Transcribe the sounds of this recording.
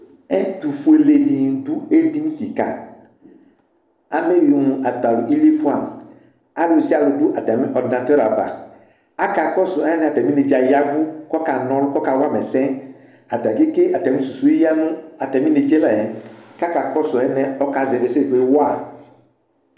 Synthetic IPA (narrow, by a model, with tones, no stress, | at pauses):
ɛ˦tu˨fu˨˦e˨le˨di˨n˨du˦e˦di˦nĩ˦ki˨ka̰˨ | a˨me˦ju˨nũ˨ʔa˨ta˨lu˨ʔi˦li˦fu˦a˨m˨ | a˦lu˨si˦a˨lu˨du˦ʔa˨tɛ˨mɛ˦ʔɔ˨dnã˨tɛ˦ɾa˨ba̰˨ | a˦ka˨kɔ˦sʊ˨˦ɛ˦nɛ˨a˨tɛ˨mĩ˦ne˨d͡ʒa˨ja˦ɡu˦kɔ˦ka˨nɔ̃˦lʊ˦kɔ˦ka˨wa˦˨mɛ˨sɛ̃˦ | a˨ta˨ɡi˦ke˦ʔa˨tɛ˨mĩ˦su˨su˨i˦ja˦nʊ̃˦a˨tɛ˨mĩ˦ne˨d͡ʒɛ˦la˨ɛ˨ka˦ka˨kɔ˦sʊ˨ɛ˦nɛ˦ɔ˦ka˨zɛ˨ve˨se˦˨du˨e˦wa˦˨